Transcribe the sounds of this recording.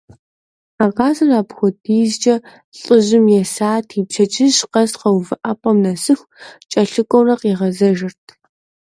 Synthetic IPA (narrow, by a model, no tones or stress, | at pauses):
aːʁɑːzɐraːpxʷʊdiːzd͡ʒʼɐ | ɬʼɨʑɪmjɛsaːtʰiːpt͡ʃʰɐt͡ʃʰʼɪʑqɐsqɐwvɨʔapʼɐmnɐsɨxʷ | t͡ʃʼɐɬɨkʷʼɔwrɐqiːʁɐzɐʒɪrtʰ